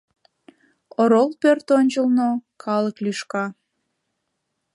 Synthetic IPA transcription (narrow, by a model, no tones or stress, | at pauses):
oɾolpørt̪onʲt͡ɕəlˠnokʰɑləklyʃkɑ